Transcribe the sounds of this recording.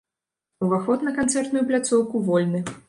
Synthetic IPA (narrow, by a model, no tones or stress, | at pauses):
wvaxɔt̪nɐkant̪sɛrt̪nujuplʲat̪sɔwkuvɔlʲnɨ